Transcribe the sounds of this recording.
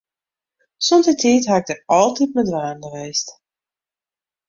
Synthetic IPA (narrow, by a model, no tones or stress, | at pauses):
sontətʰiːtɦaɪɡ̚dərɑlˠtit̚mədʋaːndəʋeːst